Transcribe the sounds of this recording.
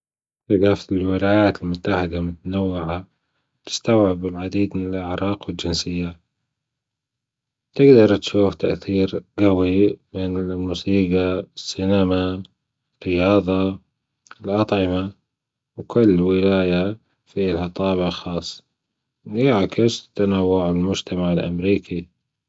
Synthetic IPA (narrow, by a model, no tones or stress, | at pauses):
tɪɡafɪlwɪlaːjaːt̪ɪlmʊt̪ːaħɪd̪amʊt̪anawːɪʕa | t̪ɪ̥st̪awʕɪbɪlʕad̪iːd̪mɪnɪlʔɪʕɾˤɑːqwɪld͡ʒɪnsɪjːa | t̪ɪɡd̪ɑɾˤt̪ʃuːft̪aʔθiːɾɡawimɪnlmuːsiːɡasːɪnama | lqɪjɑːðˤɑ | ɪlʔɑt̪ˤʕɪma | wkʊlːwɪlaːja | filhɑt̪ˤɑːβaxɑːsˤː | jaʕkɪst̪ːanawːʊʕɪlmʊd͡ʒt̪amaʕɪlʔa̰mɾiːkʰi